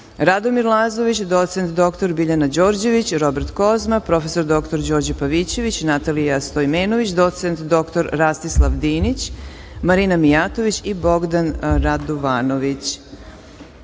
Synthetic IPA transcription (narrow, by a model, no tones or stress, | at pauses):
ɾad̪omiɾlˠaːzo̞ʋit͡ɕd̪o̞t̪sent̪d̪o̞kt̪o̞ɾbiʎanad͡ʑo̞ːɾd͡ʑe̞ʋit͡ɕɾo̞beɾt̪ko̞zmapɾo̞fe̞so̞ɾd̪o̞kt̪o̞ɾd͡ʑo̞ːɾd͡ʑapaʋit͡ɕe̞ʋit͡ɕnat̪alijast̪ojmeːnoʋit͡ɕd̪o̞t̪sent̪d̪o̞kt̪o̞ɾɾast̪islˠaʋd̪iːnit͡ɕ | maɾinamijat̪oʋit͡ɕibo̞ɡd̪anɾad̪oʋaːno̞ʋit͡ɕ